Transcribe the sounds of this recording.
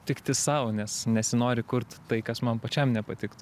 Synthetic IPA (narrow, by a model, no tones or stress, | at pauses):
tʲɪkt̪ʲɪsɐʊnʲɛsnʲɛsʲɪnoːɾʲɪkʊrt̪ːɐɪkɐsmɐnpɐt͡ʃʲɛmnʲɛpɐt̪ʲɪkt̪ʊ